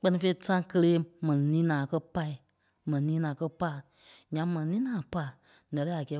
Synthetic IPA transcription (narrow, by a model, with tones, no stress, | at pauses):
k͡pɜ˧˦nĩ˧fe˧i˦˨sã˦kə˧leː˦mɛ̃˨nĩ˨nĩː˦nãː˨˦˨kɜ˦pa˧˦i˨ | mɛ̃˨nĩ˨nĩː˦nãː˨˦kɜ˦pa˦ | ɲã˧mɛ̃˨nĩ˨nĩː˦nãː˨˦pa˦˨ | nɛ̃˨ɾɛ˦a˨ɡɛː˨˦